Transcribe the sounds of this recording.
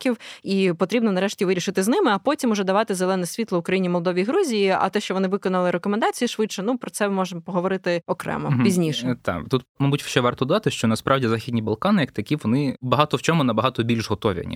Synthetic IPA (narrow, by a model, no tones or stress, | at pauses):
kʲiwipɔt̪ɾʲibnɔnɐɾɛʃtʲiʋɪɾʲiʃɪt̪ɪznɪmɪɐpɔtʲimʊʒɛd̪ɐʋɑt̪ɪzelˠɛnɛsʲʋʲit̪lˠɔʊkɾɐjinʲimɔlˠd̪ɔʋʲijɦɾuzʲijiɐ̰t̪ɛʃt͡ʃɔʋɔnɪʋɪkɔnɐlˠɪɾekɔmend̪ɑt͡sʲijiʃʋɪtʃɛnupɾɔt̪sɛmɔʒemɔpɔɦɔʋɔɾɪt̪ɪɔkɾɛ̰mɔ̰pʲizʲnʲiʃɛt̪ɑ̰t̪ut̪mɐbutʲʃt͡ʃɛʋɑrt̪ɔd̪d̪ɑt̪ɪʃt͡ʃɔnɐspɾʔɑwdʲizaxʲidʲnʲibɐlˠkɑnɪjɐk̚t̪ɐkʲiʋɔnɪbɐɦɑt̪ɔwt͡ʃɔmʊnɐbɐɦɑt̪ɔbʲilʲʃɦɔt̪ɔʋʲḭɐ̰nʲḭ